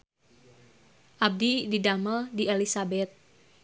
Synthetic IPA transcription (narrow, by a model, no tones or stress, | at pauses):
ʔab̚dididaməldielisabɛt̪̚